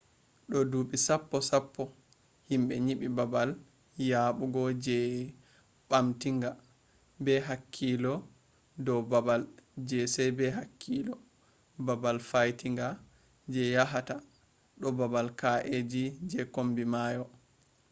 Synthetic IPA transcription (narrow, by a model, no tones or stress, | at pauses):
ɗɔduɓisapːɔsapːɔ | himɓɛɲiɓibabal | jaɓuɡɔd͡ʒɛ | ɓamtiŋɡa | bɛɦakʰːilɔ | dɔwbabald͡ʒɛsɛjbɛɦakʰːilɔ | babalfajtiŋɡa | d͡ʒɛjaɦata | ɗɔbabalkaʔed͡ʒid͡ʒɛkombimajɔ